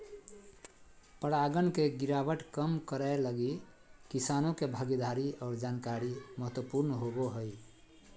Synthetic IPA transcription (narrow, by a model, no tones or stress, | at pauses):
pəɽaɡənkeɡiɾabəʈkəmkəɾaləɡi | kisanokebʱəɡid̪aɾiɔːɾd͡ʒankaɾiməɦət̪wəpuɾnɦoboɦəj